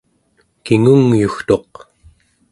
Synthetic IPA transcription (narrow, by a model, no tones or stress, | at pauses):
kiŋuŋjuxt̪o̞q